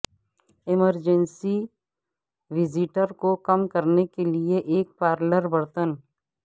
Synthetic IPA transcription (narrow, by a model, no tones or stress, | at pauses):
ɪməɾd͡ʒənsi | ʋɪzɪʈəɾkokɐmkɐɾnekelieʔeːk̚paːɾləɾbɐɽt̪ən